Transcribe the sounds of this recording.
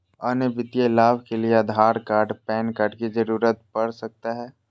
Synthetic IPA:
ɐːnebɪt̪ijaɪlaːʋkelieɐd̪ʱaːɾkaːɾɖpɛːnkɐɾɖkid͡ʒɐɾuːɾət̪̚pɐɽsɐk̚t̪aɦɛː

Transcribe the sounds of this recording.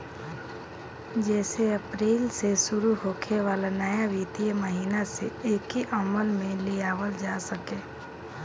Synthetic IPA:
d͡ʒɛːseəpɾiːlsesʊɾuɦoːkʰeʋaːlanəjaʋit̪ijəməɦiːnaseeːkiʔəməlmẽliaːwəld͡ʒaːsəkẽː

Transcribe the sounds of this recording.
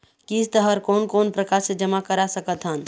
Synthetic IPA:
kist̪əɦəɾkoːnkonpɾəkaɾsẽd͡ʒəmakəɾasəkət̪ɦən

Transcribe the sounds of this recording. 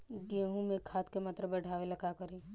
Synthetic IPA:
ɡeɦũmekʰaːt̪kemat̪ɾəbɐɽ̤ʱaːʋelɐɡakəɾeː

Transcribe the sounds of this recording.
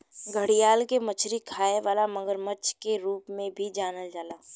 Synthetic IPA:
ɡʱəɽijaːlkemɐt͡ʃʰɾikʰaːeʋaːlamɐŋɡəɾmət͡ʃkeɾuːpmẽbʱid͡ʒaːnəld͡ʒaːlaː

